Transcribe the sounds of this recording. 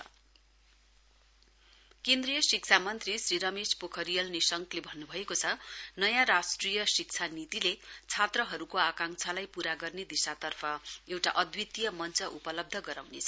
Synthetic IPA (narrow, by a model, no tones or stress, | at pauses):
kẽnd̪rijʌsikt͡sʰamʌnt̪risriɾʌmespokʰʌɾijʌlnisʌŋklebʱʌnːubʱʌekot͡sʰʌnʌjãɾasʈrijʌsik̚t͡sʰanit̪ilet͡sʰat̪rʌɦʌɾukoakaŋt͡sʰalajpuɾaɡʌrned̪isat̪ʌrpʰʌewʈaʔʌd̪wit̪ijʌmʌnt͡sʌʔupʌlʌb̚d̪ʱʌɡʌɾawnet͡sʰʌ